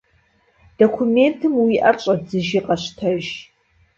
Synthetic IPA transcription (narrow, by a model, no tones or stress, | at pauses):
d̥okʷʰumeːntʰɨmwiːʔɐrɕʼɐzɨʒiqɐɕtʰɐʒ